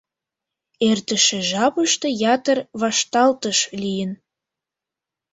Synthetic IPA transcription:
ert̪ə̆ʃĕʒɑpəʃt̪ɤ̆jɑt̪ərβɑʃt̪ɑlt̪əʃlijən

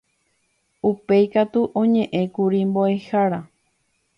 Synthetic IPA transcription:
upejkat̪uʔõɲẽ̞ʔẽ̞kuɾimboehaɾa

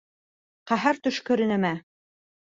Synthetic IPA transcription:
qɑɦæɾt̪ɵ̆ʃkɵ̆ɾɘ̆nɘ̆mæ

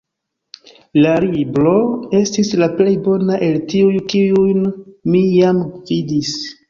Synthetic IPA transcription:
laɾibɾo̞e̞stislaple̞jbo̞naʔe̞ltiujkiujnmijamvidis

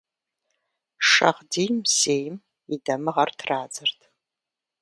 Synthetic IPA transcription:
ʂɐ̰ʁdijmseːjm | idɐmɨʁɐrtʰraːd͡zɨrtʰ

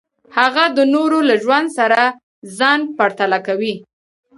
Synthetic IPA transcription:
haɣad̪ənoɾolaʒwand̪saɾa | zɑnpaɾt̪alakawi

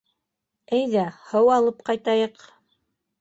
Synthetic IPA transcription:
æjðæhɤwɑlˠɤp̚qɑjt̪ɑjɤq

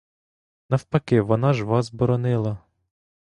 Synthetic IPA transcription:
nɐwpɐkɪʋɔnɑʒʋɑzbɔɾɔnɪlˠɐ

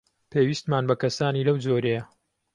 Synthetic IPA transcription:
pʰeːwist̪maːnbɐkɐsaːniːlɐwd͡zoːɾejɐ

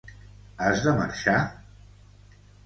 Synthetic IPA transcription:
azðəmə̰ɾʃa

